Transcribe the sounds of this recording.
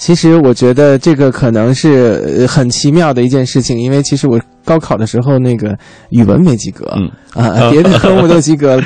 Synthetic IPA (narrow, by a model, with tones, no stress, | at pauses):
t͡ɕʰi˧˥ʂɻ̩˧˥wɔ˨˩t͡ɕɥɛ˧˥d̪ə˧ʈ͡ʂɤ˥˩ɡə˩kʰɤ˨˩nɤ˧˥ŋʂɻ̩˥˩xə˨˩nt͡ɕʰi˧˥mjɑ˥˩ʊd̪ə˩i˧˥t͡ɕjɛ˥˧nʂɻ̩˥˩t͡ɕʰi˨˩ŋi˥nwe˥˩ɪt͡ɕʰi˧˥ʂɻ̩˧˥wɔ˨˩ | kɑ˥ʊkʰɑ˨˩ʊd̪ə˦ʂɻ̩˧˥xo˧ʊna˥˩ɪɡə˩ | y˨˩wə̰˧˥nme˧˩ɪt͡ɕi˧˥kɤ̰˧˥a̰˥˧p̪jɛ˧˥d̪ə˧kʰɤ˧˥mu˥˩t̪o˥˧ʊt͡ɕi˧˥kɤ˧˥lə˧